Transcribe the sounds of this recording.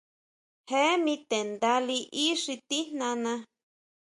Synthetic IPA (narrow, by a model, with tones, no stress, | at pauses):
he˦mĩ˧t̪e˨nd̪a˧li˧ʔi˦ʂi˧t̪i˦n̥nã˧nã˧